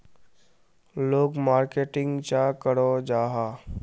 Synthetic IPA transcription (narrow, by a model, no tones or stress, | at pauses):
loːɡmaːɾkeːʈɪ̃ŋɡt͡ʃakəɽod͡ʒaːɦaː